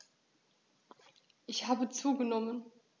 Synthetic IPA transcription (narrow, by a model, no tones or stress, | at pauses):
ʔɪçhaːbət͡suːɡənɔmən